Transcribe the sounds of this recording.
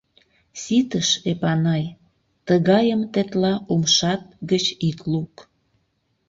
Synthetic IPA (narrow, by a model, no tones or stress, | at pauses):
sit̪əʃepɑnɑj | t̪əɣɑjəmt̪et̪lɑʔumʃɑt̪̚ɡət͡ɕikluk